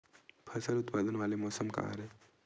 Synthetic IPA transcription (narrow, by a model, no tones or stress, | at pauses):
pʰɐsəɾʊt̪pad̪ənʋalemɔːsəmka̰a̰ɾe